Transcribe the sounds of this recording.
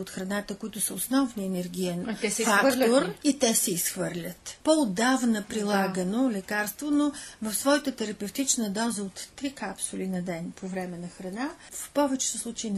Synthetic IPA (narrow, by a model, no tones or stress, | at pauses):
ot̪xɾɐnat̪əkʊit̪ʊsəosnɔvniɛnɛɾɡ̟ʲijɛnɛsfak̪oɾit̪ɛsɛisxvɤɾlʲət̪poʊd̪avnəpɾilˠaɡənolɛkaɾst̪vonovɐfsvɔjət̪ət̪ɛɾɐpɛft̪it͡ʃnəd̪ɔzəot̪ːɾikapsʊlʲinɐd̪ɛnpʰovɾɛmɛnɐxɾɐnafpɔvɛt͡ʃɛ̥sɛslˠut͡ʃɛin